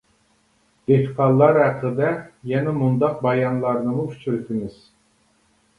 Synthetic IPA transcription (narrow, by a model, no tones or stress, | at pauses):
d̪̥ehqʰɑlˠːɑɾæqʰlˠɨd̪ɛjɛnɛmund̪ɑq̚bɑjɑnlˠɑɾnɨmuyʃt͡ʃʰyɾt̪ʰimyz̥